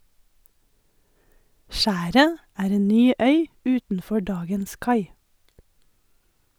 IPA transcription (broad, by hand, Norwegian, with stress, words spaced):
ˈʃæːɾə ˈæːɾ ˈeːn ˈnyː ˈœʏ ˈʉːtn̩ˌfɔ ˈɖɑːɡəns ˈkɑɪ